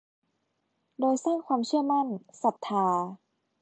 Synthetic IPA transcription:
doː˧jsaː˥˩ŋkʰwaː˧mt͡ɕʰɯ˥˩ɐma˥˩nsa˨˩t̪ʰːaː˧

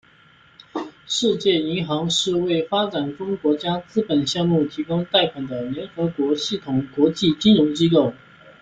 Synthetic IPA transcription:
ʂɻ̩˥˧t͡ɕjɛ˥˩i˧˥ŋxɑ˧˥ŋʂɻ̩˥˧we˥˩ɪfa˥ʈ͡ʂa˨˩nʈ͡ʂʊ˥ŋkwɔ˧˥t͡ɕja˥t͡sɹ̩˥pə˨˩nɕjɑ˥˧ŋmu˥˩t̪ʰi˧˥kʊ˥ŋt̪a˥˩ɪpʰa˨˩nd̪ə˦ljɛ˧˥nxɤ˧˥kwɔ˧˥ɕi˥˩t̪ʰʊ˨˩ŋkwɔ˧˥t͡ɕi˥˩t͡ɕi˥nɻʊ˧˥ŋt͡ɕi˥ko˥˩ʊ

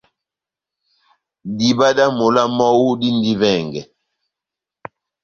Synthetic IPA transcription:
di˨ba˦da˦mo˨la˦mɔ˦wu˦di˦ndi˦vɛ˦˨ŋɡɛ˨

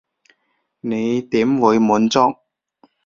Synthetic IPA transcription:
ne˨˧jt̪iː˨˥mwuː˨˧jmuː˨˥nt͡sɔ˥k̚

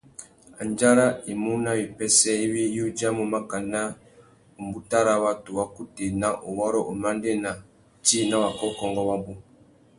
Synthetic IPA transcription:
a˨nd͡ʒa˦ɾa˦i˨mu˦na˦wi˨pɛ˦sɛ˦i˦wi˦ju˦d͡ʒa˦mu˨ma˦ka˨na˦ | u˨mbu˦ta˦ɾa˨wa˦tu˨wa˦ku˦te˨na˦ʔo˨wɔ˦ɾɔ˦ʔo˨ma˦nde˦˨na˨ | ti˦na˦wa˨kɔ˦kɔ˦ŋɡɔ˦wa˦bu˦

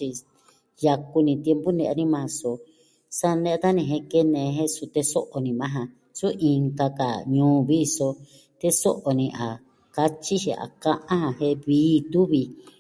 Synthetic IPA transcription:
i˧ | ja˧ku˧nĩ˧t̪e˧mpu˦nẽ˧ʔa˧nĩ˦mã˧so˨ | sa˧nẽ˦˧t̪a˦nĩ˧ɦẽ˧ke˦nẽ˧ɦẽ˦su˧t̪e˧so˦ʔo˨nĩ˨mã˦ɦã˧ | su˦ʔi˧ŋka˧ka̰˨ɲũː˦βi˦˧so˧ | t̪e˦so˦ʔo˨nĩ˧ʔa˨ | ka˦t͡ʃi˦ʃi˧˨a̰˨kã˦ʔã˦hã˧ɦẽ˦βiː˦˧t̪u˦βi˧

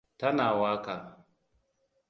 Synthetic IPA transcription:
ta˦naː˨waː˦ka˨

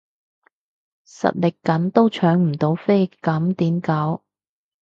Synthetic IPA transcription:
sɐ̰˨t̚lɪ˨kːɐ˨˥nt̪o˥wt͡ʃʰœː˨˥ŋm̩˨˩t̪o˨˥wfe˥jkɐ˨˥mt̪iː˨˥mka˨˥w

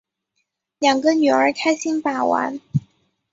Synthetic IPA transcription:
ljɑ˨˩ŋɡə˧ny˨˩ə˞˧˥kʰa˥ɪɕi˥npa˨˩wa̰˧˥n

